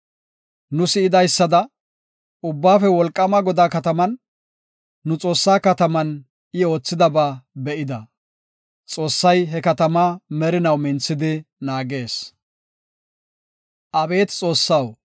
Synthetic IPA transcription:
nʊsɪɪd̪ɐjsːɐd̪ɐ | ʊbːaːfɛwɔlkʼːɐmɐɡɔd̪aːkɐt̪ɐmɐnː | ʊt͡sʼo̞ːsːaːkɐt̪ɐmɐn | ɪo̞ːt͡sːɪd̪ɐbaːbɛʔɪd̪ɐ | t͡sʼo̞ːsːɐjɦɛkɐt̪ɐmɐmɛɾɪnɐwmɪnt͡sːɪd̪ɪnaːɡe̞ːs | ʔɐbe̞ːt̪t͡sʼo̞ːsːɐw

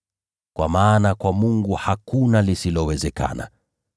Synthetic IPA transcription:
kwa̰maːnakwamuŋɡuhakunalisilɔwɛzɛkʰa̰na̰

